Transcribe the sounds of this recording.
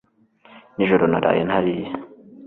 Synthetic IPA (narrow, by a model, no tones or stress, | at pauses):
niʒoɾonaɾa̰jenhaɾije